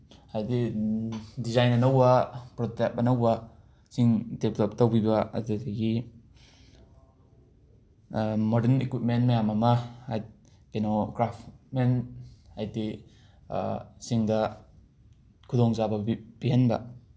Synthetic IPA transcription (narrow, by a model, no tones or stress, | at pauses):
ajdi | dizajnɐnawbapɾɔtɛk̚anawba | siŋdebelɔp̚tawbibaa̰tadaɡi | mɔdenekwit̚menmajamamaaj | kenoɡɾapʰmenajdḭ | siŋda | kʰudɔŋzabɐb̥iɦenba̰